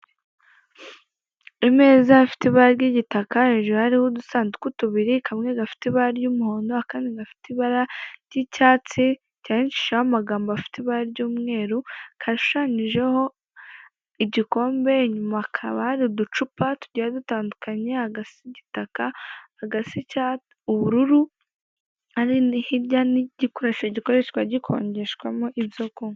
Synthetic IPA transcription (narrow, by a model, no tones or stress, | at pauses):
ime̞ːzaːfi̥tiβaɾaɾɟiɟitakaeʒehaɾihodusaːnzukutuβiɾikʰamŋe̞ɡafi̥tiβaɾaɾjuːmuho̞ːndo̞akaniɡafi̥tiβaɾaɾjicaːt͡si | caːɲit͡ʃi̥ʃahamaɡaːmboafi̥tiβaɾaɾjuːmŋe̞ːɾukʰaʃu̥ʃaɲiʒe̞ho̞ | iɟiko̞ːmbe̞ɲumakʰaβahaɾidut͡ʃupatuɟajadutaːndukaɲehaɡasiɟitakahaɡasica | uβuɾuɾu | haɾinihiɾɟaniɟikoɾeʃaɟiko̞ɾeʃkwaɟikʰo̞̰ːɲɟe̞ʃkwamoʔibjoko